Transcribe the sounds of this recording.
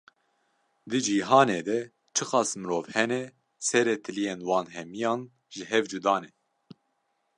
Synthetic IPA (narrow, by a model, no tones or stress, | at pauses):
d̪ɨd͡ʒiːɦɑːneːd̪ɛ | t͡ʃʰɨxɑːsmɨɾoːvhɛnɛ | sɛɾet̪ʰɨlijeːnwɑːnɦɛmijɑːn | ʒɨɦɛvd͡ʒud̪ɑːnɛ